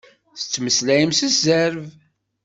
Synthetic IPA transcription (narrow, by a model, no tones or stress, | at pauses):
θə̥t͡sːməslæjəmsəzæɾv